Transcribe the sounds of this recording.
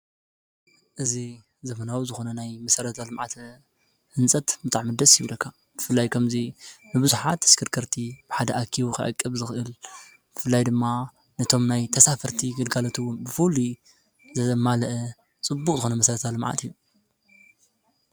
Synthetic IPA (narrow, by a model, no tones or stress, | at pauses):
ʔɨzi | zɐmɐnawuzɨxo̞nɐnajmɐsɐɾɐt̪ʰalɨmʕa̰t̪ | hɨnt͡sʼɐt̪bɨt̪ʼaʕmɨd̪ɐsjiβlɐkʰːa | b̥ɨfɨlːajkʰɐmzinɨbɨzuħat̪ʰːɨ̥skʰɨɾkʰɐɾt̪ʰib̥ɨħad̪ɐʔakʰiwukʰɨ̰ʕɨ̰kʼːɨβzɨxʔɨl | bɨfɨlːajd̪ɨmːa | nɐt̪ʰo̞mnajt̪ʰɐsafɐɾt̪ʰiɡɨlɡalot̪ʰuwʊnbɨfulu | zɐmalɐʔɛ | t͡sʼɨbːukʼzɨxo̞nɐmɐsɐɾɐt̪ʰalɨmʕa̰t̪ijːu